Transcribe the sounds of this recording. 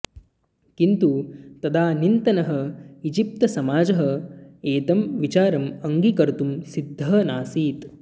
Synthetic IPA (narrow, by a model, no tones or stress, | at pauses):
kint̪ut̪ɐd̪ʰaːnint̪ɐnɐɦɐid͡ʒip̚t̪ɐsɐmaːd͡ʒɐɦɐ̆eːt̪ɐmʋit͡ʃaːɾɐmɐŋɡikɐɾt̪umsid̪ʱːɐɦɐnaːsiːt̪